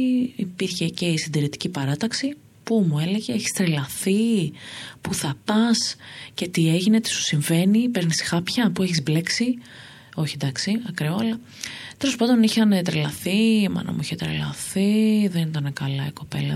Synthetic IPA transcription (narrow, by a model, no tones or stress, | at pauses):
ipiɾçe̞ce̞isind̪iɾit̪i̥cipɐɾɐt̪ɐksi | pumue̞le̞ʝeeçi̥st̪ɾelɐθi | puθɐpɐsce̞t̪ie̞ʝine̞t̪i̥su̥siɱve̞nipe̞ɾnisxɐpçɐpue̞çizble̞ksi | o̞çend̪ɐksiɐkɾeoɐlɐ | t̪elo̞spɾot̪o̞niçɐnet̪ɾelɐθimɐ̰nɐ̰mṵiçet̪ɾḛlɐ̰θiðenit̪ɐnekɐlɐiko̞pe̞̰lɐ